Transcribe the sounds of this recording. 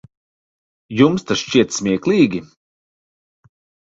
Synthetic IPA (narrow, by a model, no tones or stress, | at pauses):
jumst̪asʃt͡ʃiɛt̪smʲiɛklˠiːɡʲi